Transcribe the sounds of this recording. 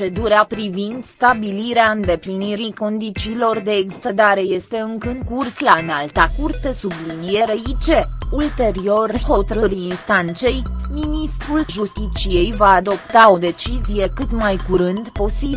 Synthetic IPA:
e̞d̪uɾeapɾivind̪st̪abiliɾeaɨnd̪e̞pliniɾiko̞nd̪it͡ʃiːlo̞rd̪e̞ːksi̥t̪əd̪aɾe̞je̞st̪e̞ɨŋkəɨŋkurslaɨnalt̪akurt̪e̞sublinije̞ɾeit͡ʃe̞ult̪e̞ɾio̞rho̞t̪əɾɨɾiːnst̪ant̪se̞jminist̪ɾulʒust̪it͡ʃije̞jvaːd̪o̞pt̪ao̞d̪e̞t͡ʃizije̞kɨt̪majkuɾɨnd̪po̞si

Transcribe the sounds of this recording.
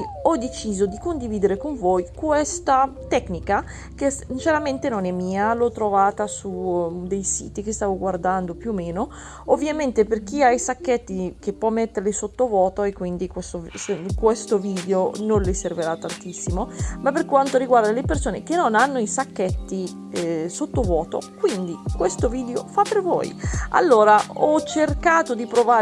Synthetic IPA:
ɔd̪ːet͡ʃiːzod̪ikond̪iviːd̪eɾekoɱvojkwest̪at̪ɛknika | k̟esint͡ʃeɾament̪enonɛmːiːalɔt̪ːɾovaːt̪asud̪ejsḭːt̪ik̟est̪aːvoɡward̪and̪opjuːmːeːno | ovːjament̪eperk̟iajsakːet̪ːikepːwɔmːet̪ːeɾlisot̪ːovɔːt̪oekːwind̪ikwest̪oskwest̪oviːd̪eononleserveɾat̪ːant̪isːimomapːerkwant̪oɾiɡward̪alepersoːnek̟enːonanːoisakːɛt̪ːi | sot̪ːovɔːt̪o̰kwind̪ikwest̪oviːd̪eofapːervo̰ːja̰lːoːɾaɔt͡ʃerkaːt̪od̪ipɾovaː

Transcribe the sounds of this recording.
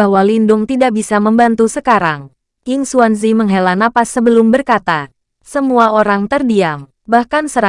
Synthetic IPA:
ahwalindʊŋt̪idaʔ̚bisaməmbant̪usəkaɾaŋ | jɨŋsuanz̬iməŋɦelanapasəbəlʊmbərkat̪a | səmuaoɾaŋt̪ərdiam | bahkansəɾa

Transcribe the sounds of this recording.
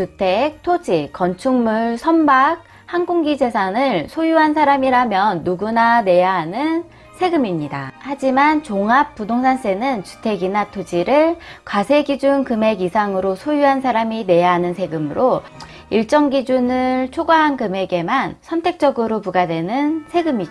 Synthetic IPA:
t͡ɕutʰek̚tʰod͡ʑikʌnt͡ɕʰuŋmuɭsʰʌmbak̚ | hanɡuŋɡid͡ʑe̞sʰanɯɭsʰojuɦansʰaɾamiɾamjʌnːuɡunane̞jaɦanɯn | sʰe̞ɡɯmimɲida̰had͡ʑimant͡ɕoŋap̚p͈udoŋsʰans͈ʰe̞nɯnt͡ɕu̥tʰe̞ɡinatʰod͡ʑiɾɯɭkwasʰe̞ɡid͡ʑunkɯme̞ɡisʰaŋɯɾosʰojuɦansʰaɾamine̞jaɦanɯnsʰe̞ɡɯmɯɾo | iɭt͡ɕ͈ʌŋɡid͡ʑunɯɭt͡ɕʰoɡaɦankɯme̞ɡe̞mansʰʌntʰe̞k̚t͡ɕ͈ʌɡɯɾopuɡadwe̞nɯnsʰe̞ɡɯmid͡ʑo

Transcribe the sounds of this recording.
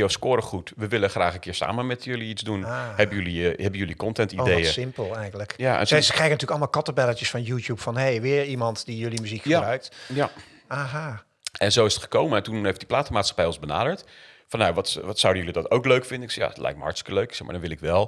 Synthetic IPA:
joskʊːɾəχutʋəʋɪləχraːχənkɪːɹsa̰ːmənmɛtjøliizdunahɛbəjøliɛbənjølikɔntɛntiodejəsɪmpəlˠɛjɣələkjaɛ̰nssəkrɛjɣənətyːləkɑlˠmalˠkɔtəbɛlətjəsfɑnjuːtjupfɑnɦejʋɪːɹimɑntdijɵlimyzikχəjabrœɥk̚tja | aɦa | ʔɛnzowɪsətχə̥kowməɛtunejftdiplaːtəmaːtsxḁpɛjɔ̃nzbəna̰ːdəɹt | fɑnjaʋɑtʋɑtsawdəjølidɑtowkløɥkfɪndənɪksja̰ətlɛ̰jk̚tməhɑɹtstɪ̥kəløɥksɛxma̰dɔnʋɪlˠɪkʋɛlˠ

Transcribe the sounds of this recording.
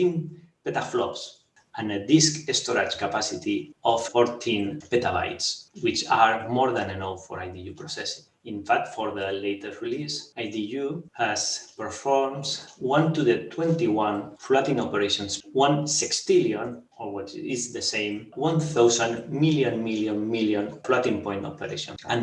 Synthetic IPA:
tĩnpet̪aflɔ̰ps | ãnəd̪iskest̪oɾat͡ʃkapasit̪iɔfːɔɾt̪ʰĩnpet̪aβa̰jtswit͡ʃaɾmɔɾðãnenowfɔ̰ɾajd̪ijupɾosɛsĩ̥ŋ | ĩnfak̚t̪fɔɾðəlejt̪əsɹilisajd̪ijuhaspəɾfɔɹmswãnt̪uðət̪ʰwɛ̃nt̪iwãnflɔt̪ĩŋopeɾeʃɔ̃nswãnsikst̪iljõn | owit͡ʃizðəsẽjmwãnθawsãnmiljõnmiljõnmiljõnflɔt̪ĩŋpɔ̃j̃ntɔ̰peɾḛʃõ̰nãn

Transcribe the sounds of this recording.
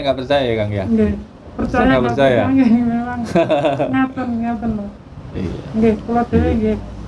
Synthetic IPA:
ŋɡaʔpərt͡ʃajajakaŋjaŋɡe | pərt͡ʃajaɡapərt͡ʃajaaŋɡememaŋŋat̪ənŋat̪əna | ḭjaɡekulad̪̥eweɡe

